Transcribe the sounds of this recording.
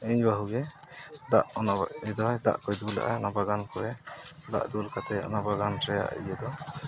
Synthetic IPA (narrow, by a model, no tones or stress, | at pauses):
ɛɲbaɦuɡɛd̪aʔɔnad̪ɔɦɔjd̪a̰ʔkɔjd̪ula̰ʔaɔnabaɡankɔɾɛd̪a̰ʔd̪ulkat̪ɛɔ̰nabaɡantɾɛja̰ʔḭjəd̪ɔ